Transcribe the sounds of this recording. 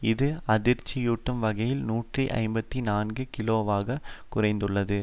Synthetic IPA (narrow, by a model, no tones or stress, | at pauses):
ɪðɯɐðɪɾt͡ʃːɪjuːʈːɐmʋɐɣɐjɪlnuːʈriʔɐ̰ɪmbɐt̪ːinaːnɡɯkɪloːʋaːɣɐkʊrɐɪnd̪ɯɭːɐðɯ